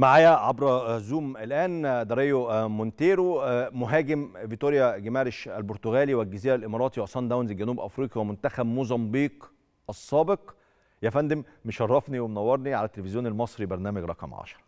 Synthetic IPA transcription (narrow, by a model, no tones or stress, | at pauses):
maʕaːjæʕabɾˤɑzuːmʔelʔæːnd̪ɑɾˤejomont̪eːɾoːoɦæːɡemvit̪oːɾjæɡemæːɾeʃælboɾt̪oɣæːliwælɡæziːɾælʔemɑɾˤɑːt̪iwʔsˤɑnd̪æwnzelɡænuːbʔɑfɾiːqiwemont̪æxæbmozɑmbiːq | ʔɑsˤːɑːbeq | jæfænd̪embeʃɑrˤːɑfniwemnæwːɑɾˤniʕa̰læt̪ːelefezjoːnelmɑsˤɾibɑɾˤnæːmæɡɾˤɑ̰qɑmʕɑ̰ʃɑ̥ɾˤɑ